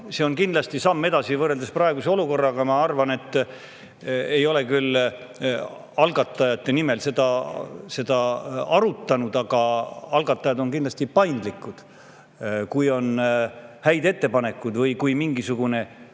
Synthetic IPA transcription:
se̞o̞nkind̪lɑst̪isɑmːe̞d̪ɑsivɤrːeld̪esprɑe̞ɡuse̞o̞luko̞rːɑɡ̥ɑmɑɑrvɑne̞t̪ˑː | e̞jo̞le̞kyl | ɑlɡɑt̪ːˑɑjɑt̪ːˑe̞nime̞lse̞d̪ɑse̞d̪ɑɑɾut̪ːˑɑnud̪ɑɡ̥ɑɑlɡɑt̪ːˑɑjɑd̪o̞nkind̪lɑst̪ipɑjnd̪likːˑud̪̥ | kujo̞nhæjd̪e̞t̪ːe̞pɑne̞kːud̪̥vɤjkujmiŋɡisuɡ̥une̞

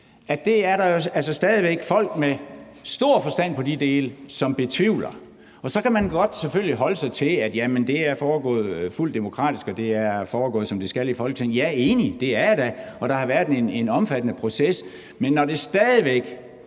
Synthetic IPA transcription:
æd̥e̝æɐɾɑ̈jo̝ælsɒsd̥ɛːð̞ˠiʋeɡ̥fɒ̽l̰ɡ̥me | sd̥o̝ɐ̰fɒ̽sd̥æn̰pʰɒ̽did̥e̝ːləsɒ̽mb̥e̝t͡sʰʋiʊ̰lɐ | ɒ̽sɒ̽kæmænɡ̥ɒ̽d̥sefølliɦɒ̽ləsɑ̈ɪt͡sʰe̝læd̥jæmənd̥e̝æɐfɒːɡ̥ɔ̰̽ːð̩ˠful̰d̥ːe̝mo̝kʰʁɑ̰̈ːd̥isɡ̥ɒ̽d̥e̝æɐfɒːɡ̥ɔ̰̽ːð̩ˠsɒ̽md̥e̝sɡ̥ælifɒ̽l̰ɡ̥sʰenjæe̝ːnid̥e̝æɐɾ̥æɒ̽ɾ̥ɑ̈hɑ̈ʋæɐd̥ene̝nɒ̽mfæd̥ənəpʰʁo̝ses | menːɒd̥e̝sd̥ɛːðˠiʋeɡ̥

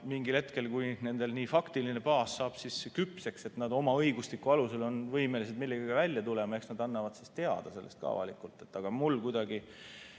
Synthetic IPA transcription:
miŋɡilhe̞t̪ke̞lkujne̞nd̪̥e̞lniːfɑkt̪iline̞pɑːsːɑːb̥sisekypse̞kset̪nɑd̪omɑɤjɡuslikːˑuɑluse̞lo̞nvɤjme̞lise̞d̪milːeɡ̥iɡ̥ɑvælʲjɑt̪ule̞mɑe̞ksnɑd̪ɑnːɑvɑd̪̥sist̪e̞ɑ̰d̪̥ɑse̞lːḛst̪̚kɑ̰vɑ̰likːˑult̪ːˑe̞t̪ːˑɑɡ̥ɑmulkujd̪̥ɑɡi

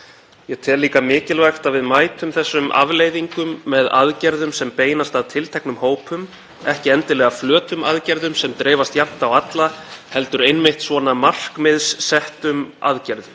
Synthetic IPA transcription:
jɛɣt̪ʰɛːlːiːkamɪːcɪlvajxt̪avɪðmaːjt̪ʏmθɛsːʏmʔa̰vleːjðiŋkʏmːɛðaðcɛɾðʏmsɛmpeːjnast̪aðt̪ʰɪlt̪ʰɛknʏmhoːwpʏm | ɛhcɪɛnt̪ɪlɛːɣaflœːt̪ʏmaðcɛɾðʏmsɛmt̪ɾɛːvast̪jap̚t̪awat̪lahɛlt̪ʏɾejnmɪht̪svɔnamar̥kmɪðsːɛht̪ʏma̰ðcɛɾðʏm

